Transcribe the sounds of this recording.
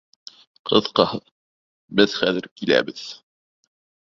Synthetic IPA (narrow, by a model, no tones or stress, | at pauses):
qʰɤðqɑhɤ | bɘðχæðɘɾkilæ̰bɘð